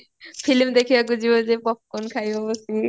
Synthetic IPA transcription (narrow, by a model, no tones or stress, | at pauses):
pʰilmd̪ekʰibaɡuzibɔzɛpɔp̚kɔnkʰajɔbɔsi